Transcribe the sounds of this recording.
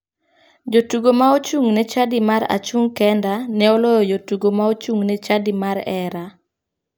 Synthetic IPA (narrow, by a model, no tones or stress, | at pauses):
d͡ʒotuɡomaot͡ʃuŋnɛt͡ʃadimaɾa̰t͡ʃuŋkɛndanɛɔlɔjɔjotuɡomaot͡ʃuŋnɛt͡ʃadimaɾɛɾa